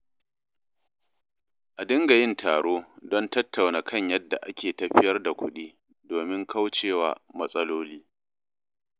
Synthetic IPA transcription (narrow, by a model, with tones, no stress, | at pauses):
ʔa˨dɪ˦ŋɡa˨jɪ˦˨ntʰaː˨ɽoː˦dɔ˦ntɐ˦tʰːa˨wnaː˨kʰɐ˦˨ɲjɐ˦dːa̰˨ʔa˦kʲʰeː˨tɐ˨ɸɪ˦jɐ˦rda˨kʷʊ˦ɗiː˦ | doː˨mɪ˦ŋkʰa˦wt͡ʃeː˦˨wa̰ː˨mɐ˦sʼɐ˦loː˦liː˦